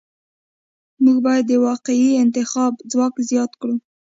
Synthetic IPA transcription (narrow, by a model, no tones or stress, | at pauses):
muɡbɑjad̪ːəwɑqɪiɪnt̪ɪxɑbd͡zwɑkzjɑt̪kɽu